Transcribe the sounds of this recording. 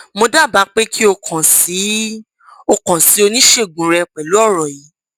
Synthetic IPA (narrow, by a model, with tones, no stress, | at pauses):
mo˧da˦˨ba˨˦k͡pe˦kʰi˦o˧kʰã˨si˨˦ | o˧kã˨si˨˦o˧nĩ˦ʃe˦˨ɡũ˨ɾɛ˧k͡pɛ˨lu˨˦ɔ˦˨ɾɔ˨ji˨˦